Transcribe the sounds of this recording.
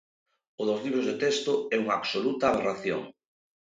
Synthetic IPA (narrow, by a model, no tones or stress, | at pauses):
ʊðozliβ̞ɾozðet̪ɛst̪ʊɛuŋaːβsolut̪ɐːβeraθjo̰ŋ